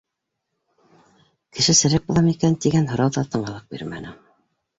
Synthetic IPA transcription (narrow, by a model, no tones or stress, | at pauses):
kɘ̆ʃɘsɘ̆ɾæk̚bulˠɑmikænt̪iɡænɦŏɾɑwðɑt̪ɤ̆ɴɑlˠɤq̚bḭɾmæ̰nɘ